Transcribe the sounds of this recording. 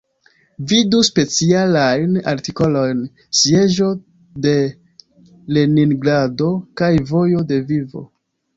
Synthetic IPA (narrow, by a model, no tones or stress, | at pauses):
viduspe̞t͡sialajna̰ɾtiko̞lo̞jn | sie̞ʒo̞ | de̞ | le̞niŋɡɾado̞kajvo̞jo̞de̞vivo̞̰